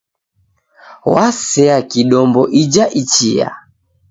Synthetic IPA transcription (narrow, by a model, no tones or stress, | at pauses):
wasɛakiɗɔmbɔʔid͡ʒaʔit͡ʃia̰